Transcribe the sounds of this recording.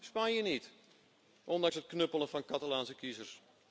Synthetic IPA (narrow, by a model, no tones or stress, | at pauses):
spanjənit | ʔɔndɑŋsət̚knøpəlˠənfɑnkatalaːnsəkizərs